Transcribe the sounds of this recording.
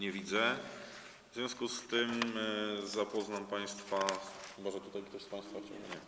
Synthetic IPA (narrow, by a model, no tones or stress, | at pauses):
ɲɛvʲid̪zɛ | vzvʲjɔ̃skust̪ɘm | zapɔznampaj̃st̪faubaʐɛt̪ut̪ajkt̪ɔspãj̃st̪faft͡ɕɛ̰̃wɡa̰ɲɛ